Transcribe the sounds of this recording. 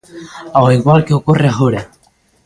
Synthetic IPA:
awiɣwalkeokoreaxoɾa

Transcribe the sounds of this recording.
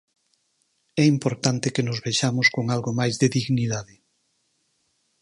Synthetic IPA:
ɛimpoɾt̪ant̪ekenozβeʃamʊskoŋalɣomajzðeðiɣniðaðɪ

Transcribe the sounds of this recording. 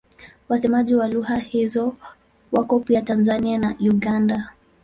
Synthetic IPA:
wasɛmaʄiwaluhahizɔ | wakɔpiatanzanianauɠanda

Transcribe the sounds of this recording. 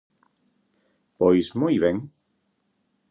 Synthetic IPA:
pojsmɔjβẽŋ

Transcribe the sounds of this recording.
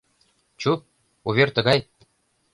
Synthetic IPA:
t͡ɕu | uβʲerʲt̪ɤ̆ɡɑj

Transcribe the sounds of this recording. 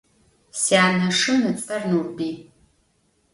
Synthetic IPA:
sjaːnɐʂɨmnɨt͡sʼɐrnurbiː

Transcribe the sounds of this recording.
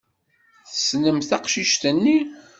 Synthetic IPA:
θəsnəmθæqʃiʃt̪ənːi

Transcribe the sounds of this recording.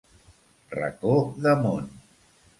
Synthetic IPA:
rə̰koðəmon

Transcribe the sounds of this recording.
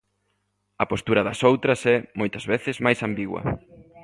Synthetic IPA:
ɐpost̪uɾɐðɐsowt̪ɾɐsɛmojt̪ɐzβeθɪzmajsambiɣwɐ̰

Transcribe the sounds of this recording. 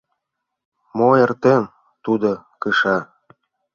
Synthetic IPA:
moert̪en | t̪ud̪okɯʃɑ

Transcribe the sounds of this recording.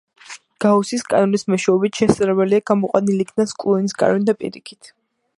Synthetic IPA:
ɡ̥ausiskʼa̰nɔnismɔʃɛɔbit̪ʰʃɛsɾɛbɛliaɡ̥amɔqʼwa̰nilikʰnaskʼlˠɔnisɡʼa̰ɾɔnd̪apʼḭɾikʰi̥t̪ʰ

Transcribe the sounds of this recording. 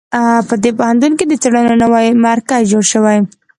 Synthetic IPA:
pəd̪epohant̪̬unked̪ət͡seɽənonawajmaɾkad͡ʒoɽʃəwaj

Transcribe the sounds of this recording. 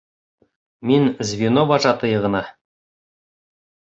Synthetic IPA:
minzʲvʲinobɑʒɑt̪ɤjɤ̆ʁɤ̆nɑ

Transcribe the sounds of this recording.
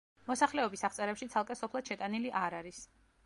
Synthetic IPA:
mɔsaχlɛɔbisaχt̪sʼɛɾɛpʃit̪sʰalˠkʼɛsɔpʰlˠad̪̥ʃɛt̪ʼaniliʔaɾaɾis

